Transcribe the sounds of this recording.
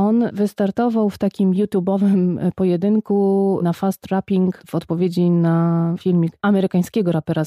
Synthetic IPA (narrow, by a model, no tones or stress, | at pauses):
ɔnvɘst̪aɾt̪ɔvawft̪akʲimjut̪ʲjubɔvɘmpɔjɛd̪ɘŋkunafast̪ɾapʲiŋkv̥ɔt̪pɔvʲjed͡ʑinafʲilmʲikʔamɛɾɘkaɲ̃skʲɛɡɔɾapɛɾa